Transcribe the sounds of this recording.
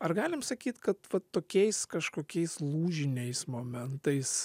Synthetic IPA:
ɐrɡɑːlʲɪmsɐkʲiːt̪kɐt̪ʋɐt̪ːoːkʲɛɪskɐʃkoːkʲɛɪslˠuːʒʲɪnʲɛɪsmoːmʲɛnt̪ɐɪs

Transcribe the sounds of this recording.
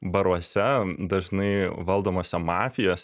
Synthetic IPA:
bɐɾuɔsʲɛd̪ɐʒnɐɪʋɐlˠd̪oːmoːsʲɛmɑːfʲɪjoːsʲ

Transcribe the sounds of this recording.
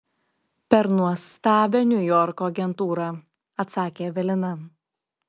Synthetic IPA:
pʲɛɾnuɔst̪ɑːbʲeːnʲʊjɔɾkoːɐɡʲɛnt̪uːɾɑ | ɐt̪sɑːkʲeːʋʲɛlʲɪnɐ

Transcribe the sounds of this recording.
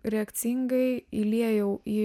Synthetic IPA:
ɾʲɛːkt̪sʲiŋɡɐɪilʲiɛjɛʊʔiː

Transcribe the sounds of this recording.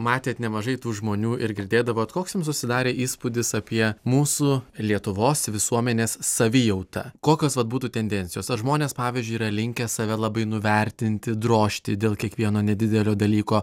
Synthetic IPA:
mɑːt̪ʲeːt̪nʲɛmɐʒɐɪt̪uːʒmoːnʲuːʔɪɾɡʲɪɾʲd̪ʲeːd̪ɐʋoːɐt̪koːksʲjʊmsʊsʲɪd̪ɑːɾʲeːʔiːspud̪ʲɪsɐpʲiɛmuːsulʲiɛt̪ʊʋoːsʋʲɪsuɔmʲɛnʲeːssɐʋʲɪjɛʊt̪ɐkoːkʲoːsʋɐt̪̚buːt̪uːt̪ʲɛnʲd̪ʲɛnʲtsʲɪjoːsɐʒmoːnʲeːspɑːʋʲizʲd͡ʒʲʊɪiːɾɐlʲɪŋʲkʲɛsɐʋʲɛlˠɐbɐɪnʊʋʲɛɾʲt̪ʲɪnʲt̪ʲɪd̪ɾoːʃʲt̪ʲɪd̪ʲeːlˠkʲiɛkʋʲiɛnoːnʲɛd̪ʲɪd̪ʲɛlʲoːd̪ɐlʲiːkoː

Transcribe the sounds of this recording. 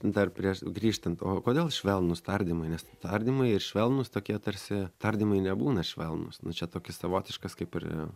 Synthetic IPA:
nd̪ɐrpʲɾʲiɛʃɡɾʲiːʃt̪ɐnt̪oːkoːd̪ʲeːlˠʃʲʋʲɛlˠnʊst̪ɐrʲd̪ʲimɐɪnʲɛst̪ɐɾʲd̪ʲiːmɐɪɪrʃʲʋʲɛlˠnʊst̪oːkʲiɛt̪ɐɾʲsʲɪt̪ɐrʲd̪ʲiːmɐɪnʲɛbuːnɐʃʲʋʲɛlˠnʊ̰snʊt͡ʃʲɛt̪oːkʲɪsɐʋoːt̪ʲɪʃkɐskɐɪpɪrɛ̰

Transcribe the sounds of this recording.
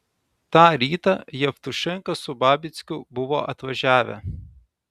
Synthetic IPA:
t̪ɑːɾʲiːt̪ɐjɛft̪ʊʃʲɪŋkɐsʊbɑːbʲɪt̪sʲkʲʊbʊʋoːʔɐt̪ʋɐʒʲæːʋʲɛ̰

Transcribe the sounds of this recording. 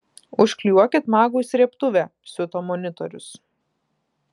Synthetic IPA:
ʊʃʲklʲuɔkʲɪt̪mɑːɡusʲɾʲiɛpt̪ʊʋʲɛsʲʊt̪oːmɔnʲɪt̪ɔɾʲʊs

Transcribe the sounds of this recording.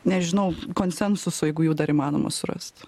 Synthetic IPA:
nʲɛʒʲɪnɐʊkoːnʲsʲɛnsʊsʊjɛɪɡʊjɛːd̪ɐɾiːmɑːno̰ːmɐ̰sʊɾɐ̰st̪

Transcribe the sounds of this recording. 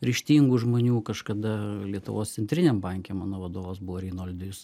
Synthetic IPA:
ɾʲɪʃʲt̪ʲiːŋɡuʒmoːnʲuːkɐʃkɐd̪ɐlʲiɛt̪ʊʋoːst̪sʲɛnʲt̪ʲɾʲɪnʲeːmbɐŋʲkʲeːmmɑːnoːʋɐd̪oːʋoːsbʊʋoːɾʲiːnolʲd̪ʲʊjʊs

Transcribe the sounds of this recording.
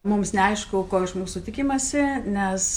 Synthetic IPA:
mʊmsnʲɛɐɪʃkʊkoːɪʃmuːsʊt̪ʲɪkʲɪmɐsʲɪnʲɛs

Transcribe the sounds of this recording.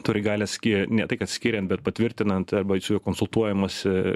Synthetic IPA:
t̪ʊɾʲɪɡɑːlʲɛsʲkʲinʲɛt̪ɐɪkɐt̪sʲkʲiːɾʲɛnt̪̚bʲɛt̪̚pɐt̪ʲʋʲɪɾʲt̪ʲɪnɐnt̪ɐɾbɐsʲkonsʊlˠt̪uɔjɛmɐs

